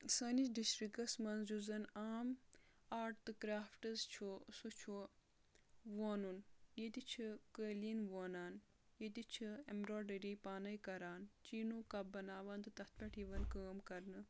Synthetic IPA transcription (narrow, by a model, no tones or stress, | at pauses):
səːnit͡ʃɖisʈɾikɐsmɐnzd͡ʒuzɐnaːm | aːʈt̪ɨkɾaːfʈɐzt͡ʃʰusut͡ʃʰu | ʋoːnunjed̪it͡ʃʰikəːlinʋoːnaːn | jed̪it͡ʃʰɨemɾoːɖɐɾipaːnɐjkɐɾaːnt͡ʃiːnukɐbɐnaːʋɐnd̪ɨt̪ɐt̪̚ʰpʲɐʈʰiʋɐnkəːmkɐɾnɨ